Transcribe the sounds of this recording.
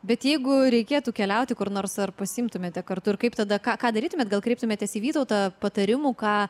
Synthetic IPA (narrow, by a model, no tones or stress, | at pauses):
bʲɛt̪jɛɪɡʊɾʲɛɪkʲeːt̪uːkʲɛlʲɛʊt̪ʲɪkʊɾnoːrsɐrpɐsʲɪɪmt̪ʊmʲeːt̪ʲɛkɐrt̪ʊɪɾkɐɪpt̪ɐd̪ɐkɑːkɑːd̪ɐɾʲiːt̪ʊmʲeɛt̪̚ɡɐlˠkɾʲɛɪp̚t̪ʊmʲeːt̪ʲɛsiːʋʲiːt̪ɐʊt̪ɑpɐt̪ɐɾʲɪmuːkɑː